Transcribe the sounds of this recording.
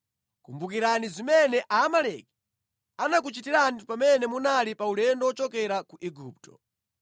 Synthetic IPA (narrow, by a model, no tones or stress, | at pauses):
kumbukiɾanizimɛnɛʔaːmalɛki̥ | anak̬ut͡ʃitiɾanipamɛnɛmunalipaulɛndɔwɔt͡ʃɔkɛɾakuʔɛɡuːptɔ̰